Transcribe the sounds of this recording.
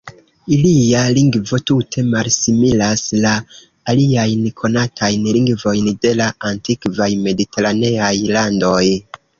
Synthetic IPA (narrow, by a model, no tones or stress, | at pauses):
ilijaliŋɡvo̞tutʰe̞malsimilaslaː | liajnkʰo̞natʰajnliŋɡvo̞jnde̞laantikvajme̞dite̞ɾane̞ajlando̞j